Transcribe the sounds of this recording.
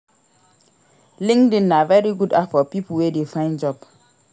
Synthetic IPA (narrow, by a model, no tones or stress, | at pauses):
lĩŋdĩnavɛɹiɡudafɔpiplwedefãɪ̃nd͡ʒɔb